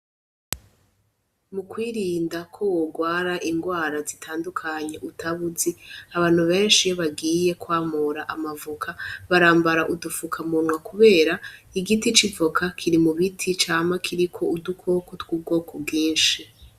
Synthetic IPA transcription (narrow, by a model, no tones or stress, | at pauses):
mukwiːɾiːndakʰo̞woɡwaːɾaʔiŋɡwaːɾazitʰaːndukʰaɲe̞ʔutʰaβuziaβaːn̥uβe̞ːnʃijoβaɡiːje̞kwaːmuɾaʔamavukʰaβaɾaːmbaɾaʔudufukʰamunwakuβe̞ːɾaiɡitit͡ʃivokʰakʰiɾimuβitʰit͡ʃaːmakʰiɾikʰo̞udukʰo̞kotɡuːb̚ɡo̞ːkʰob̚ɡiːnʃi